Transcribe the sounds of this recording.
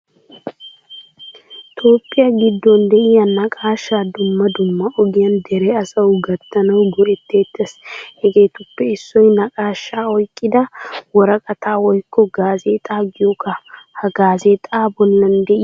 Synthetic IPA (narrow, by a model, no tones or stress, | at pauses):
t̪ʰo̞ːpʼːɪjɐɡɪd̪ːɔnd̪ɛʔɪjɐnːɐkʼaːʃːaːd̪ʊmːɐd̪ʊmːɐʔɔɡɪjɐnd̪ɛɾɛɐsɐwɡɐt̪ːɐnɐwɡɔʔɛt̪ːeːt̪ːeshɛɡe̞ːt̪ʊpːɛɪsːɔjnɐkʼaːʃːaːɔjkʼːɪd̪ɐwɔɾɐkʼɐt̪ʰaːwɔjkːɔɡaːzeːt̪ʼaːɡɪjɔkɐhɐɡaːzeːt̪ʼaːbɔlːɐnd̪ɛʔɪ